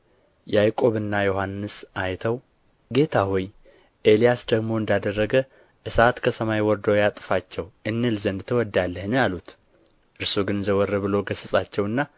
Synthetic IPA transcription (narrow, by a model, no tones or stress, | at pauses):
jajkʼo̞βɨnːajo̞hanːɨsʔajt̪ʰəw | ɡe̞t̪ʰahoj | ʔe̞lijasd̪əɡmo̞ɨnd̪ad̪ərːəɡə | ʔɨsat̪kʰəsəmajwɔɾd̪əwjat̪ʼɨ̥fat͡ʃːɛwʔɨnːɨlzənd̪t̪ʰəwɔd̪alːəhnjalut̪ | ʔɨɾsuɡɨnzəwɔrːəβɨlo̞ɡəsəsʼat͡ʃːɛwɨnːa